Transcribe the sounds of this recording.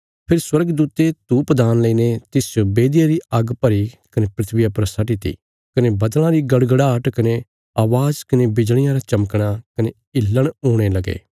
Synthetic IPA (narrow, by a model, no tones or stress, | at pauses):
pʰɪɾswɐɾəɡd̪uːt̪et̪uːpd̪aːnlɐiːnet̪ɪsd͡ʒobeːd̪ijaɾiɐɡpɐɾikɐnepɾɪt̪ʰʋɪjapɾɐsaʈit̪ḭ | kɐnebɐd̪l̃ãɾiɡɐɽɡəɽaːʈkɐne | aːʋaːzkɐnebɪd͡ʒɽ̃ɪjãɾat͡ʃɐməkɽ̃akɐne | ɪlːəɽ̃oːɽ̃elɐɡḛː